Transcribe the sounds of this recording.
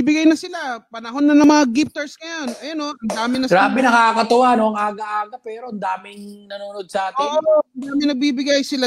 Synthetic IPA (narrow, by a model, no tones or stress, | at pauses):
ibɪɡajnɐsɪlapɐnɐɦo̞nːɐnɐŋmɐŋaɡɪp̚t̪ɛɹsŋɐjonʔɐjonːo̞ʔɐnd̪aːmɪnɐɡɾaːbɛnɐkaːkɐt̪ɐwanoɐŋʔaːɡɐʔaːɡɐpɛːɾo̞ʔɐnd̪aːmɪŋnɐnunod̪̚sɐaːt̪ɪooɐnd̪aːmɪnɐɡ̚biːbɪɡajsɪla